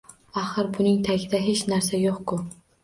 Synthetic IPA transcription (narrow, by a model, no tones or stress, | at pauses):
aχɨɾbʊnɪŋt̪ʰaɡʲɪd̪aɦet͡ʃnaɾsajoqkʊ